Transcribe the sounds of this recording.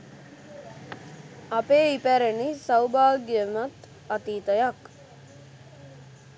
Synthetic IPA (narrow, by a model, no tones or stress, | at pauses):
apeːipæɾenisawbaːɡjəmat̪ | at̪iːt̪əjak